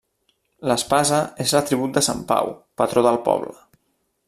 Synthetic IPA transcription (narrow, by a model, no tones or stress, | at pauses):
ləspazəezlət̪ɾiβ̞ut̪̚d̪əsa̰mpa̰wpət̪ɾoðəlˠpɔ̰βlə